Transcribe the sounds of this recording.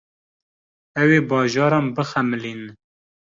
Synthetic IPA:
ɛweːbɑːʒɑːɾɑːnbɨxæmɨliːn

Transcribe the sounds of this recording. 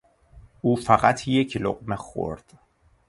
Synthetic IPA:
ʔuːfæɣæt̪ʰje̞cʰlo̰ɢmexo̰ɾd̪̥

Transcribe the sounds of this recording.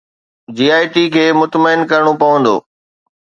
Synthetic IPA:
d͡ʑiːaːɪʈikʰeːmʊt̪məɪnkɐɾɪɽ̃opɐʋə̃nd̪o̰ː

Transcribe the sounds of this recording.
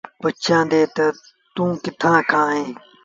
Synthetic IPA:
bətt͡ʃãːd̪eːt̪ɐ | t̪ũːkɪt̪ʰãːkʰãːɦẽː

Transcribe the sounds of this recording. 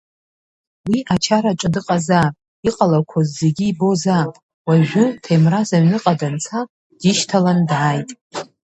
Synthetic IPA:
wiʔat͡ʃʰaɾaʈ͡ʂʼɨdɨqʼazapʼ | iqʼalarkʷʰazːe̞ɡʲiːbo̞za | waʒᶣʊtʰajmrazaɥnɨqʼadant͡sʰa | d̥iʃtʰalandaːjtʼ

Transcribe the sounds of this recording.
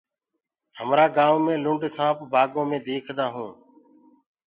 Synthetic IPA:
həmɾaːɡaːʋmẽːlʊ̃ɳɖsãːpbʱaːɡõːmẽːd̪eːkʰd̪aːɦũː

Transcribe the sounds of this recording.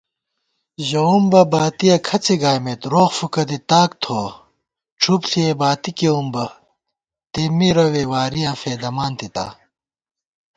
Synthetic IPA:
ʑɐumbɐbaːt̪ijɐkʰɐt͡sʰiɡaːjmet̪ɾoːxfukɐt̪̬it̪aːkt̪ʰoː | ʈ͡ʂʰupsʰiebaːt̪ikeumbɐ | t̪emːiɾɐwewaːɾijãːfeːd̪ɐmaːnt̪it̪a̰

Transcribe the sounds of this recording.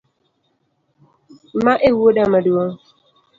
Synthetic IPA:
maʔewoɗamadua

